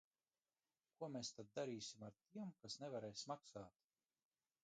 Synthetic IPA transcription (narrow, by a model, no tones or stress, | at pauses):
kuɔmeːst̪ad̪̚d̪aɾiːsʲimaɾt̪iɛmkasnɛvaɾɛjsmaksaːt̪